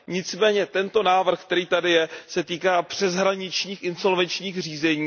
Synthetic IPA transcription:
ɲɪt͡smɛːɲɛt̪ɛnt̪o̞naːvr̩xk̚t̪ɛɾiːt̪adɪjɛsɛt̪iːkaːpr̝̥ɛzɦɾaɲɪt͡ʃɲiːxʔɪnso̞lvɛnt͡ʃɲiːxr̝iːzɛɲiː

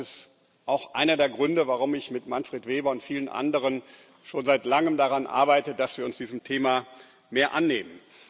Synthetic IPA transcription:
ɪst | ʔaʊxʔa̰ɪnɐdeːɐɡʁʏndəvaʁʊmɪçmɪtmanfʁ̥eːtv̥eːbɐʊntfiːlənʔa̰ndəʁ̞ən | ʃoːnzaɪtlaŋəmdaʁanʔa̰ɐbaɪtədasv̥iːɐʊnsd̥iːzəmtʰeːma | meːɐʔanːeːmən

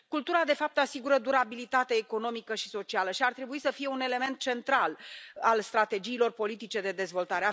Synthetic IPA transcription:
kult̪uɾad̪e̞fap̚t̪asiɡuɾəd̪uɾabilit̪at̪eːko̞no̞mikəʃi̥so̞t͡ʃialəʃiart̪ɾe̞buisəfije̞une̞le̞me̞nt̪̚t͡ʃe̞nt̪ɾalalst̪ɾat̪e̞d͡ʒiːlo̞rpo̞lit̪it͡ʃe̞d̪e̞d̪e̞zvo̞lt̪aɾea

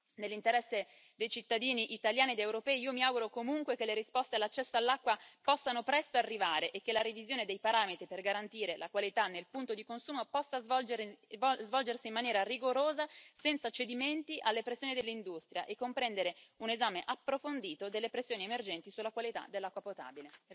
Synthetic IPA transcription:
nelːint̪eɾɛsːe | d̪ejt͡ʃit̪ːad̪iːniʔit̪aljaːnied̪ewɾopɛːiiːomiawɡuɾokomuŋkwek̟elːeɾispɔst̪ealːat͡ʃːɛsːoalːakːwapɔsːanopɾɛst̪oarːivaːɾeʔekːelaɾivizjoːned̪ejpaɾaːmet̪ɾiperɡaɾant̪iːɾelakwalit̪anːelpunt̪od̪ikonsuːmopɔsːaz | zvɔld͡ʒersiːmanjɛːɾariɡoɾoːzasɛnt̪sat͡ʃːed̪iment̪iʔalːepɾesːjoːnid̪elːind̪ust̪ɾja̰ʔekːompɾɛnd̪eɾeunezaːmeʔapːɾofond̪iːt̪od̪elːepɾesjoːniemerd͡ʒɛnt̪isulːakwalit̪a̰d̪elːakːwapot̪a̰ːbile

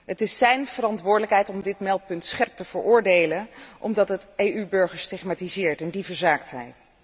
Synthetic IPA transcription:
ɦətɪsːɛjnv̥əɾɑntʋʊːɹdələkɦɛjtɔmdɪtmɛlˠt̚pɵntsχɛɹp̚təv̥əɹʊːɹdejlənʔɔ̰mdɑtɦətejybɵɹχəɹstɪχmaːtizɪːɹtɛndivəɹzaːktɦɛ̰j

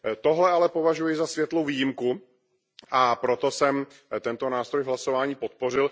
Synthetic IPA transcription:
t̪o̞ɦlɛʔalɛpo̞vaʒujɪzasvjɛt̪lowviːjɪmku | ʔapɾot̪o̞sɛm | t̪ɛnt̪o̞naːst̪ɾojvɦlasovaːɲiːpo̞t̪̚po̞r̝ɪl

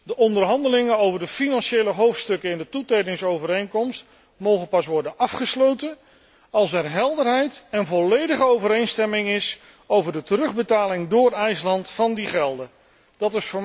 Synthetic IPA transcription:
dəʔɔndəɹɦɑndəlɪŋənowvəɹdəfinɑnʃejləɦowftstɵkəɪndətutejdɪŋsowvəɾejŋkɔmst | mowχəpɑsʋɔɹdənʔɑfχəslowtən | ɑlˠsɛɹɦɛlˠdəɹɦɛjtɛnvɔlejdəχəowvəɾejnstɛmɪŋɪs | owvəɹdətəɾɵχbətaːlɪŋdʊːrɛjslɑntfɑndiχɛlˠdə | d̥ɑtɪsfʊːɹ

